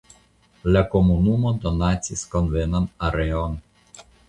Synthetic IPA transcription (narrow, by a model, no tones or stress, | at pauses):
lʲakomunumod̪ɔnat̪sʲiskɔnvenanaɾeon